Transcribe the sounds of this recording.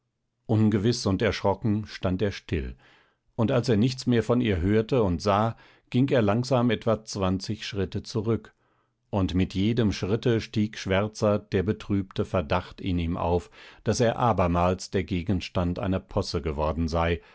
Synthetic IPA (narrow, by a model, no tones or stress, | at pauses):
ʔʊnɡəvɪsʊntɛɐʃʁ̥ɔkŋ̩ʃtanteːɐʃtɪl | ʔʊntalseːɐnɪçt͡smeːɐfɔniːɐɦøːɐtəʊntz̥aː | ɡ̥ɪŋkeːɐlaŋz̥aːmɛtv̥at͡sv̥ant͡sɪçʃʁ̥ɪtət͡suʁʏk | ʔʊntmɪtjeːdəmʃʁ̥ɪtəʃtiːkʃv̥ɛɐt͡sɐd̥eːɐbətʁ̥yːptəfɛɐdaχtɪniːmʔa̰ʊfd̥aseːɐʔaːbɐmaːlsd̥eːɐɡeːɡən̩ʃtantʔa̰ɪnɐpʰɔsəɡəvɔɐdn̩zaɪ